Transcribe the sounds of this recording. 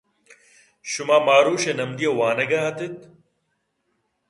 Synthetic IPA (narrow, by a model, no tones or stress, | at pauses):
ɕumaːmaːɾuːɕenɐmd̪ijɐwaːnɐɡɐɦɐt̪it̪